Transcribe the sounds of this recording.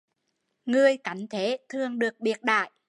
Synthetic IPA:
ŋɨ˨˩əjka˨˦jŋ̟t̪ʰe˨˦t̪ʰɨ˨˩əŋɗɨ˨˩ək̚ɓi˨˩ət̚ɗa̰ː˧˨j

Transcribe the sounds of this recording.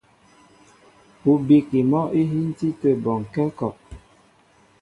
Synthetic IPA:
u˨bi˨ki˨mɔ˦ʔi˦ɦi˦n̩˦ti˦tə˦˨bɔ˨ŋ˨kɛ˦kɔ˨ʔ

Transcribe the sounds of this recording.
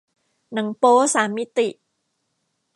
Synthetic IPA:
na˨˩˦ŋpoː˦˥saː˨˩˦mːi˦˥t̪i˨˩ʔ

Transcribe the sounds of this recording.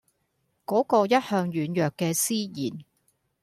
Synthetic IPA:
kɔː˨˥kɔː˧jɐ˥t̚hœː˧ŋjyː˨˥njœː˨kːɛː˧siː˥jiː˨˩n

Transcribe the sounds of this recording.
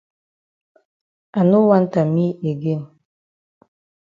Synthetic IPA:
a˨nu˦wa˦n̩˦ta˨mi˦e˨ɡe˦˨m

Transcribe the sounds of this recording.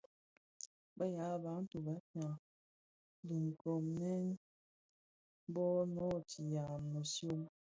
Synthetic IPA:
bə˦ja˨˦˨ba˨˦n̩˦tu˨ba˨˦ta˨ | li˨ŋ˨ko˨mnɛ˦n˦ | bɔ˦nɔ˦˨tʰi˨ja˨mno˨sjo˦ŋ

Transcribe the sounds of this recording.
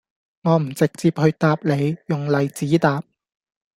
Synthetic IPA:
ŋɔː˨˧m̩˨˩t͡sɪ˨k̚t͡siː˧p̚hɵ˧ɥt̪aː˧p̚le˨˧jjʊ˨ŋlɐ˨˧jt͡siː˨˥t̪aː˨p̚

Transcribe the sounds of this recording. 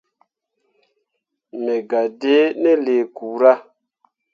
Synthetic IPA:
mɛ˨ɡa˨de˦nɛ˦le˨kuː˨ɾa˦

